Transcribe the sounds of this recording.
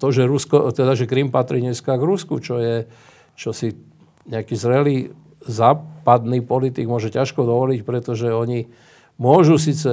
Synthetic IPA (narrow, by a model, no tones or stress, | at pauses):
t̪ɔʒɛɾuskɔt̪ɛd̪aʒɛkɾimpat̪ɾiːɲɛskaɡɾuskut͡ʃɔjɛ | t͡ʃɔsi | ɲɛakiːzɾɛliː | zaːpad̪niːpɔlit̪iɡmʊɔʒɛcaʃkɔd̪ɔʋɔlicpɾɛt̪ɔʒɛɔɲi | mʊɔʒus̬iːt͡sɛ